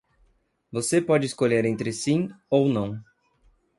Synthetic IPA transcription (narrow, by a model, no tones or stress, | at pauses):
vosepɔd͡ʒɪskoʎeɾẽnt̪ɾɪsĩownɐ̃w̃